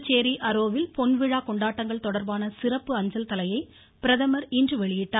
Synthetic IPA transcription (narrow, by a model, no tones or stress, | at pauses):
t͡ʃeːɾiʔɐɾoːʋɪlpɔnʋɪɻaːkɔɳɖaːʈːɐŋɡɐɭt̪ɔɽɐɾbaːnɐsɪɾɐpːɯɐɲd͡ʒɐlt̪ɐlɐjɐɪ | pɪɾɐðɐmɐɾindrɯʋɛɭɪjɪʈːaː